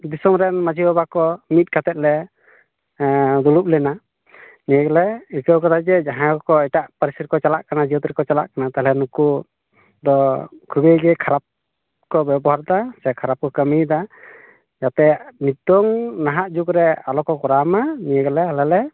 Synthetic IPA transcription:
d̪isɔmɾɛnmad͡ʒiɔbakɔmit̪̚ˀkat̪ɛt̪̚ˀlɛ | d̪ulup̚lɛna | nijəɡlɛikəwkɔt̪ʰad͡ʒɛd͡ʒaɦãɔkɔɛʈaʔpəɾisit̪̚kɔt͡ʃalaʔkanad͡ʒiɔt̪iɾkɔt͡ʃala̰ʔkanat̪aɦɛlɛnuku | d̪ɔkʰubeɡɛkʰaɾap̚ | kɔbɛbɔɦaɾd̪asɛkʰaɾap̚kɔkəmid̪a | jat̪ɛnid̪ɔŋnaɦaʔd͡ʒukɾɛalɔkɔkɔɾamanijəɡlɛalɛlɛ

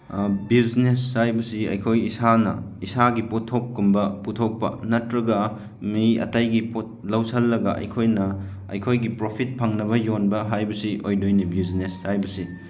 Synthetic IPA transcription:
bizneshajbɐsiɐ̰jkʰojisanɐ̰isaɡipotʰːop̚kumbɐputʰok̚pɐ̰nɐtɾɐɡɐ | miɐ̰tajɡipot̚lɐwsɐlːɐɡɐ̰ʔɐ̰jkʰojnɐ | ɐ̰jkʰojɡipɾopʰit̚pʰɐŋnɐβɐjonbɐɦajbɐsiʔojdojnibizneshajbɐsi

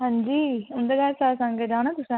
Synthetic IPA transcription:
ɦãɲd͡ʒiːʊ̃nd̪eɡɛːɾsaːsãŋɡed͡ʒaːɽ̃ãt̪ʊsẽ

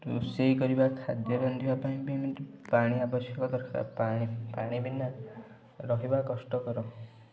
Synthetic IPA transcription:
tusejkɔɾibakʰad̪jɔɾnd̪ʱibapaĩpemeʈpaɽ̃iabɔsjɔkɔd̪ɔɾkʰa̰paipaɽ̃ibʱinːa | ɾɔɦibakɔsʈɔkɔɾɔ

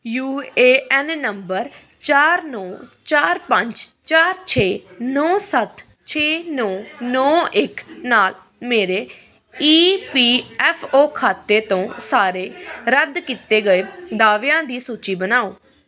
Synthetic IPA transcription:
juːeːɛnnəmbəɾ | t͡ʃaːɾnɔːt͡ʃaːɾpəɲd͡ʒt͡ʃaːɾt͡ʃʰeːnɔːsət̪ | t͡ʃʰeːnɔːnɔːɪknaːl | meːɾeː | iːpiːɛːpʰoːkʰaːt̪eːt̪õːsaːɾeːɾəd̪kit̪eːɡəeːd̪aːʋeãːd̪iːsuːt͡ʃiːbənaːoː

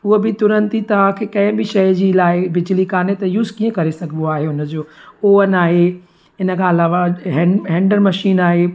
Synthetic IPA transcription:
uɦobɪt̪ʊɾə̃nt̪it̪ɐʋ̤ãkʰeːkɐ̃ɦɪ̃bɪʃɐjd͡ʑiːlaːɪbɪd͡ʑlikaːnet̪ɐjuːzkiə̃kɐɾesɐɡʱə̃noaːɦeʊnə̆d͡ʑoːoːənaːɦe | ɪnə̆kʰãɐlaːʋaɦɛɦɛ̃ːɳɖəɾmɐʃiːnaːɦe

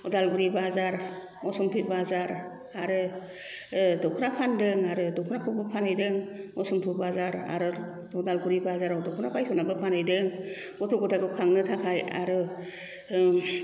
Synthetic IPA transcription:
ɔdalbuɾibazaɾ | mɔsɔmpʰɯbazaɾ | aɾɯ | dɔkʰɯnapʰandɯŋaɾɯdɔkʰunakʰɔbɯpʰanajdɯŋmɔsɔmpʰɯbazaɾa̰ɾɯ | ɔdalbuɾibazaɾawdɔkʰunapʰajtʰɔnabɯpʰanɯjdɯŋ | ɔtʰɔɡɔtʰaɡɯkʰaŋnɯtʰakʰaja̰ɾɯ

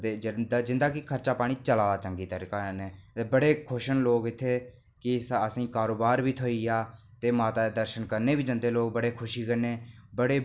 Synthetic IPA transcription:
t̪eːd͡ʒɪd̪ad͡ʒɪ̃nd̪aːkɪkʰəɾt͡ʃaːpaːɽ̃iːt͡ʃəlaːd̪aːt͡ʃəŋɡiːt̪əɾikaneːbəɽeːkʰʊʃənloːkɪt̪ʰːeː | kɪsəsĩːkaːɾoːbaːɾbiːt̪ʰoiːaː | t̪eːmaːt̪aːd̪əɾʃənkəɾneːbiːd͡ʒə̃nd̪eːloːk̚bəɽeːkʰʊʃiːkəneːbəɽeː

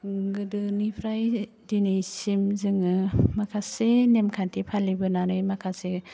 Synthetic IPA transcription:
ɡɯdɯnipʰɾaj | dinejsimzɯŋɯmakʰasenemkʰantipʰalibɯnanɯjmakʰase

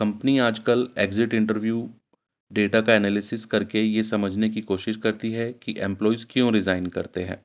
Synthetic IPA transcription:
kɐ̃mpəniaːd͡ʒkəleːɡzɪʈɪ̃ɳʈəɾʋjuː | ɖeːʈakaɛːnɛːlɪsɪskɐɾkejesɐməd͡ʒʱnekikoːʃɪʃkɐɾt̪iɦɛkiʔɛ̃mplɔːizkjõɾɪzaːɪnkɐɾt̪eɦɛ̰̃ː

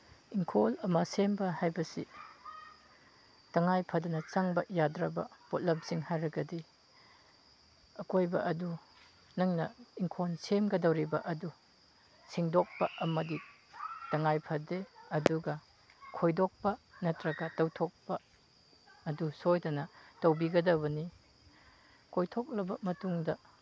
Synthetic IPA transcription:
iŋkʰolɐmɐsembɐhajbɐsḭ | tɐŋajpʰɐdɐnɐt͡ʃɐŋbɐjadɾɐbɐ̰pot̚lɐp̚siŋhajɾɐɡɐdi | ɐkojbɐʔɐdu | nɐŋnɐiŋkʰonsemɡɐdɐwɾibɐʔɐdu | siŋdok̚pɐʔɐmɐdi | tɐŋajpʰɐdeɐduɡɐ | kʰojdok̚pɐnɐtɾɐɡɐtɐwtʰok̚pɐː | dusojdɐnɐtɐwbiɡɐdɐbɐni | kʰojtʰok̚lɐbɐmɐtuŋdɐ

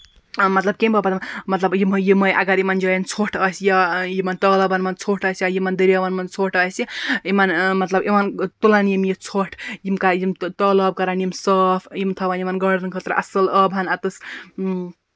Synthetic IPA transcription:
mɐt̪lɐb̚kʲembʱapat̪mmɐt̪lɐbjimɦujimɐjʔa̰ɡaɾimand͡ʒojɐnt͡sʰoʈʰɐsjajimant̪ɔlɐbɐnmɐnt͡sʰoʈʰʌsjajimand̪iɾjaʋanmɐnt͡sʰoʈʰɐsjiimanmɐt̪lɐbimant̪ulanjimjit͡sʰoʈʰjimkajimt̪ɔlɐb̚kɐɾanjimsɔpʰjimt̪ʰɐʋanimanɡɐɽɐnkʰət̪ɾʔɐ̰sɐlɐbʱanat̪ɨs

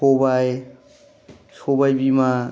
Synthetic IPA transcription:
obaj | sʰobajbima

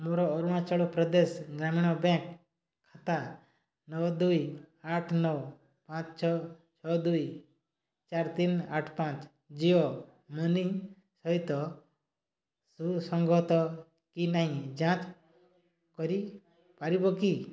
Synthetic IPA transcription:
moɾɔːɾuɽ̃at͡ʃɔɭɔpɾɔd̪esɡɾamiɽ̃ɔbɛ̃kʰː | at̪a | nɔwd̪ujaʈʰnɔw | pãt͡ʃt͡ʃʰɔt͡ʃʰɔd̪uj | t͡ʃaɾt̪inaʈʰpãt͡ʃ | d͡ʒiɔ | mɔni | sɔɦit̪ɔ | susɔŋɡʱɔt̪ɔ | kinaɦĩd͡ʒãt͡ʃ | kɔɾi | paɾibɔki

